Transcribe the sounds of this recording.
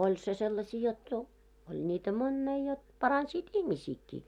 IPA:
olʲ se selːɑsiː jot jo olʲ nʲiːtæ monːei jot pɑrɑnsiːt ihmisiːkːiː

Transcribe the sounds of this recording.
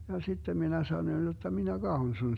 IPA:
jɑ sitːem minæ sɑnoĭn jotːɑ minæ ɡ̊ɑhon sun

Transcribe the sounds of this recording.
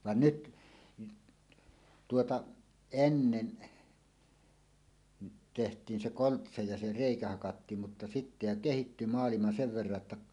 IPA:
ʋɑn nyt tuotɑ enːen tehtˑiːn se koltsɑ jɑ se reˑikæ hɑkɑtːiːm mutːɑ sitːæ jo kehitːy mɑːlimɑ seʋ ʋerːɑ tːɑ

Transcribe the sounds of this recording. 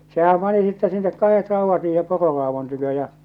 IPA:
sehæm pɑni sitːæ sinːek kɑhet rɑuʋːɑt siːhem pororɑːʋon tykø jɑ

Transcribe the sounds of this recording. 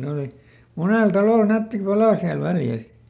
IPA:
ne oli muneˑl tɑloˑl nætːi pɑlɑˑ siæl ʋæljæs

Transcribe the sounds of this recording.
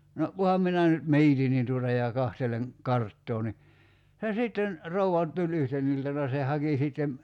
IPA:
no kuhɑm minæ nyt miːtin nin tuotɑ jɑ kɑhteleŋ kɑrtːoː ni se siˑtːen rouɑ tulʲ yhten iltɑnɑ se hɑki siˑtːem

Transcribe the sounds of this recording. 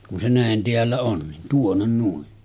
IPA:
kun se næˑen teælːæ on nin tuonːen nuin

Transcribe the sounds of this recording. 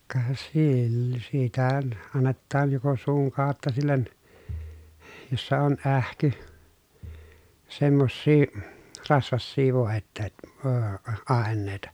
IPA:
kɑ silː sitæ ɑnːetːɑːn joko suːŋ kɑˑotːɑ silːen josːɑ on ʔæhky semːosːiː rɑsʋɑsːiː ʋoˑetːeːt øː ɑˑenˑeˑi̯tɑ

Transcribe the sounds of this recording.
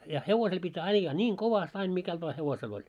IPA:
jɑ heʋosel pitʲ ɑijːɑː nʲiŋ koʋɑst ɑin mikælt ʋɑː heʋosel olʲ

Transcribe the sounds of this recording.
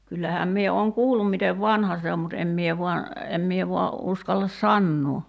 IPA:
kylːæhæːm mie oːŋ kuːlːum miteʋ ʋɑnhɑ se om mut em mie ʋuɑ em mie ʋuɑ uskɑlːɑs sɑnːuː

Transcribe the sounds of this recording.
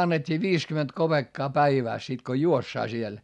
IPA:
ɑnːetʲːiː ʋiːskyment kopeːkːɑː pæiʋæˑs sit ko juosːɑː siel

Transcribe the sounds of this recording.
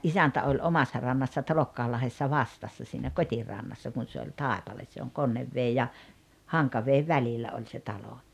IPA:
ʔisæntæ olʲ omɑsːɑ rɑnːɑsːɑ tɑlokːɑːlːɑhesːɑ ʋɑstɑsːɑ siːnæ kotʲirɑnːɑsːɑ kun̞ se olʲ tɑˑepɑles se oŋ konːeʋːeː jɑ hɑŋkɑʋeːʋ ʋælilːæ olʲ se tɑlo

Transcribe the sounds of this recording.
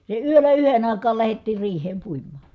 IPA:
se yølæ yhen ɑˑikɑːl læhetːiːr riːhˑeːm puimˑɑɑ̥

